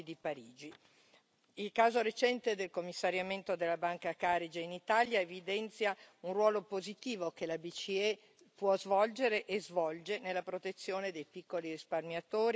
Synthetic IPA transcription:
d̪ipaɾiːd͡ʒi | ilkaːzoɾet͡ʃɛnt̪ed̪elkomːisːaɾjament̪od̪elːabaŋkakaɾid͡ʒeinit̪aljaevid̪ɛnt̪sjaunrwɔːlopozit̪iːvokelabit͡ʃiɛ | pwɔzvɔld͡ʒeɾeʔezvɔld͡ʒenelːapɾot̪et̪sːjoːned̪ejpikːolirisparmjat̪oːɾi

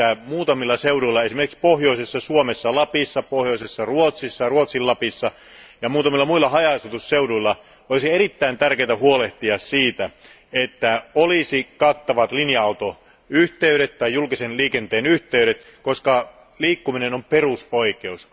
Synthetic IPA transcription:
æmuːt̪ɑmilːɑseuduilːɑesimerkikspohjo̞isesːɑsuomesːɑlɑpisːɑpohjoisesːɑruot̪sisːɑruot̪silːɑpisːɑ | jɑmuːt̪ɑmilːɑmuilːˑɑhɑjɑst̪ut̪usseuduilːɑ | olisieɾit̪ːæint̪ærkeit̪æhuoleht̪iɑssiːt̪æ | et̪ːæolisikɑt̪ːɑʋɑt̪linjɑɑut̪o | yht̪eyɾet̪tːɑjːulkisenliːkent̪eːnyht̪eyɾet̪ | koskɑ | liːkːuminenomperusoikeus

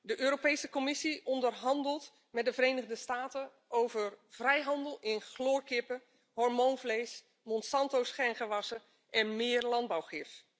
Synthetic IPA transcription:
dəʔøːɾopejsəkomɪsiɔndərɦɑndəlˠt | mɛtdəvəɾeːnəɣdəstaːtə | ʔowvərv̥rɛjɦɑndəlˠɪnχloːɹkɪpə | hɔɹmownvlejs | mɔnsɑntowsχɛnχəʋɑsə | ʔɛnmɪːrlɑnd̚bawχɪf

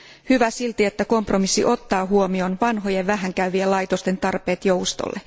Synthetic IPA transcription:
hyʋæsilt̪ie̞t̪ːæko̞mpro̞misːḭʔo̞t̪ːɑːɦuomio̞nʋɑnɦo̞jeʋʋæɦæŋkæyʋielɑjt̪o̞st̪e̞nt̪ɑrpe̞ːt̪jowst̪o̰lːe

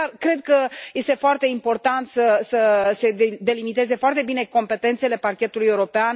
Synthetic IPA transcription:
kɾe̞d̪̚kəje̞st̪e̞foart̪e̞impo̞rt̪ant̪səsəse̞d̪e̞limit̪e̞ze̞foart̪e̞bine̞ko̞mpe̞t̪e̞nt̪se̞le̞parkʲe̞t̪uluje̞uɾo̞pean

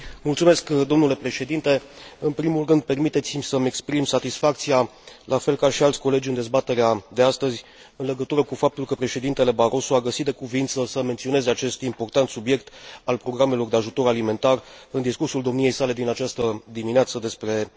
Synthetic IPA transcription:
mult̪sume̞skd̪o̞mnule̞pɾe̞ʃe̞d̪int̪e̞ɨnpɾimulrɨnd̪̚pe̞rmit̪e̞t̪simʲsəme̞kspɾimsat̪isfak̚t̪sialʔafe̞lkaʃialt̪sʲko̞le̞d͡ʒʲɨnd̪e̞zbat̪e̞ɾead̪east̪əzʲ | ɨnle̞ɡət̪uɾəkufap̚t̪ulkəpɾe̞ʃe̞d̪int̪e̞le̞baɾʔo̞soaɡəsit̪̚d̪e̞kuvint̪səsəme̞nt̪sio̞ne̞zeat͡ʃe̞st̪impo̞rt̪ant̪subje̞kt̪alpɾo̞ɡɾame̞lo̞rd̪e̞aʒut̪o̞ɾalime̞nt̪ar | ɨnd̪iskursuld̪o̞mnije̞jsale̞d̪inat͡ʃast̪əd̪imineat̪səd̪e̞spɾe̞

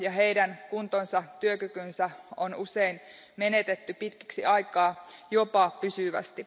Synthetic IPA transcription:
jɑɦeidænkunt̪onsɑt̪yøkykynsæonusein | me̞net̪et̪ːypit̪ki̥ksiɑijkɑːjopɑpysyʋæ̰st̪i

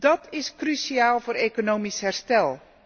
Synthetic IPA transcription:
d̥ɑtʰɪskrysiaːlˠvoːɾekonoːmisɦɛɹstɛlˠ

